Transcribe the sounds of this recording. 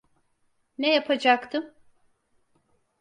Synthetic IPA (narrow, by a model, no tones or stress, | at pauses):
nɛjapʰad͡ʒakt̪ʰɯm